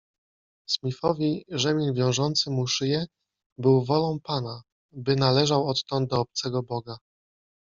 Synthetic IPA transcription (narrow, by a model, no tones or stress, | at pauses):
smʲifɔvʲiʐɛmʲilvʲjɔ̃w̃ʐɔnt̪sɘmuʂɘjɛ | bɘwvɔlɔ̃w̃pana | bɘnalɛʐawɔt̪ːɔnd̪̚d̪ɔːp̚t̪sɛɡɔbɔɡa